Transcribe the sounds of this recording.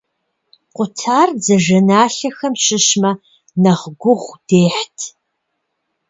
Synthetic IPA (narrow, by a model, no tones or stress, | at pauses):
qʷʊtʰaːrd͡zɐʒɐnaːɬɐxɐmɕɪɕmɐ | nɐʁɡʷʊʁʷd̥eːħtʰ